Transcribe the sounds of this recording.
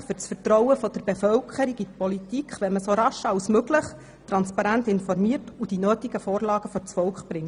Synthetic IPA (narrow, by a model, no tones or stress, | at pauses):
fʏɾt͡sfətɾɔwəfɔd̥̪əɾb̥efœlkχəɾiɡitpɔlit̪ikχʋɛməsoɾɑʃɑwsmøɡləχ | t̪ɾɑnspɑɾænt̪ɪnfɔrmiəɾtud̥inøːtiɡəfoːɾlɑːɡ̥əfɔɾt͡sfɔlkχb̥ɾɪŋt